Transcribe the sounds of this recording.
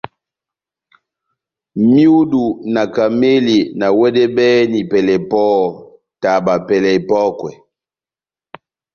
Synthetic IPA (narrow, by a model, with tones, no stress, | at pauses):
mju˦du˨na˨ka˨me˦li˨na˨wɛ˦dɛ˦bɛ˦ni˨pɛ˨lɛ˨pɔ˦ | ta˨ba˨pɛ˨lɛ˨pɔ˦kwɛ˨